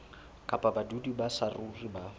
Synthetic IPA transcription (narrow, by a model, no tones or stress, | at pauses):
kʼapʼabadudibasaruriba